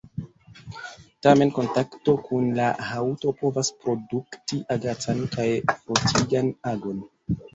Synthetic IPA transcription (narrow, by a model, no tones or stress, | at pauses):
tame̞nko̞ntakto̞kʰunlahawto̞po̞vaspɾo̞duktiʔaɡat͡sankajfɾo̞tʰiɡanaɡo̞n